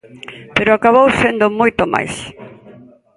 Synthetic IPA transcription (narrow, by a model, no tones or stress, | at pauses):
peɾʊakaβowsend̪ʊmojt̪oma̰js